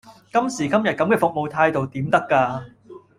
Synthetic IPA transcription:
kɐ˥msiː˨˩kɐ˥mjɐ˨t̚kɐ˨˥mkɛː˧fʊ˨k̚mo˨wt̪ʰaː˧jt̪o˨wt̪iː˨˥mt̪ɐ˥kːaː˧

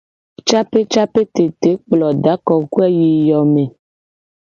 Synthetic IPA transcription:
t͡ʃa˦pe˦t͡ʃa˦pe˦t̪e˨t̪e˨˦k͡plɔ˨ɖa˨˦kɔ˨ku˦ɛ˦ji˨jɔ˨me˨

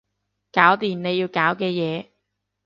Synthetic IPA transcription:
kaː˨˥wt̪iː˨˩nne˨˧jiː˧wkaː˨˥wkɛː˧jɛː˨˧

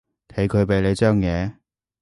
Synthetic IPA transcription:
t̪ʰe˨˥jkʰɵ˨˧ɥpe˨˧jle˨˧t͡ʃœː˥ŋjɛː˨˧

